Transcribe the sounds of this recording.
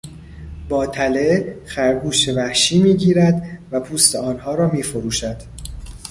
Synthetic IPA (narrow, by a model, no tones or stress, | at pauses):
bɒːt̪ʰælexæɾɡuːʃevæhʃiːmiːɟiːɾæd̪væpʰuːst̪ʰeɒːnhɒːɾɒːmiːfoɾuːʃæd̪̥